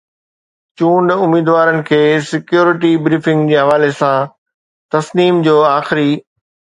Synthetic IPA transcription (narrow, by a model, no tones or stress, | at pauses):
t͡ɕũːɳɖʊmiːd̪ʋaːɾənɪ̆kʰeːsɪkjoːɾɪʈibɾiːfɪ̃ŋɡd͡ʑeːɦɐʋaːlesã | t̪ɐsniːmd͡ʑoːaːxɪɾi